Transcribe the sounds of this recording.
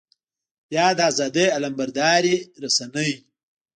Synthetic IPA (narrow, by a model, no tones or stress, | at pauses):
jaːd̪aːzaːd̪eɐlɐmbɐɾd̪aːɾiɾɐsɐnəj